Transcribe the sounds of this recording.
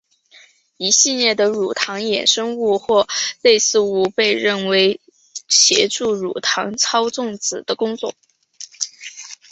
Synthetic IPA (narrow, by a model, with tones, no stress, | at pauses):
i˧˥ɕi˥˧ljɛ˥˩d̪ə˩ɻu˨˩t̪ʰɑ˧˥ŋjɛ̰˨˩nʂɤ˥ŋu˥˧xwɔ˥˧le˥˧ɪsɹ̩˥˩u˥˩pe˥˧ɪɻə˥˩nwe˧˥ɪ | ɕjɛ̰˧˥ʈ͡ʂu˥˩ɻu˨˩t̪ʰɑ̰˧˥ŋt͡sʰɑ˥ʊt͡sʊ˥˩ŋt͡sɹ̩˨˩d̪ə˦kʊ˥ŋt͡swɔ˥˩